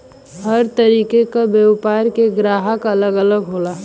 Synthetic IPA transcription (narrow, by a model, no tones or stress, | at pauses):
həɾt̪əɾiːkekabjeʋpaːɾkeɡɾaːɦəkɐləɡələɡɦoːlaː